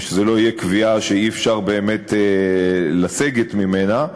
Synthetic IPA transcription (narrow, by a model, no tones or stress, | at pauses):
ʃezelo̞ijekviaʃeiefʃaʁbe̞ːme̞tʰe | laseɡetmime̞na